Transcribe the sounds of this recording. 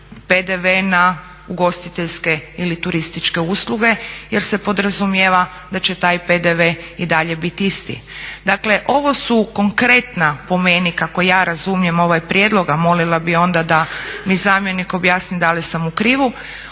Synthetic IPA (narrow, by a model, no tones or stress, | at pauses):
ped̪e̞ʋena | uɡo̞st̪it̪eʎske̞ilit̪uɾist̪it͡ʃke̞usluɡe̞jeɾse̞po̞d̪ɾazumjeʋa | d̪at͡ʃe̞t̪aːjped̪eʋeid̪aʎe̞bit̪ist̪ḭd̪akle̞ʔo̞ʋo̞suko̞ŋkɾe̞t̪napo̞menikakojaːɾazumje̞mo̞ʋajpɾje̞d̪lˠo̞ɡamo̞lilˠabio̞nd̪ad̪amizaːmje̞niko̞bjaːsnid̪alisamukɾiːʋu